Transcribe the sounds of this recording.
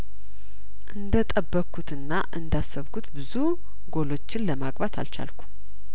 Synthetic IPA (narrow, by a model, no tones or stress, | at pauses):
ʔɨnd̪ət̪ʼəbːəkʰːut̪ɨnːaʔɨnd̪asːəβkʰut̪bɨzu | ɡo̞lo̞t͡ʃːɪnləmaɡbat̪ʰa̰lt͡ʃa̰lkʰu̥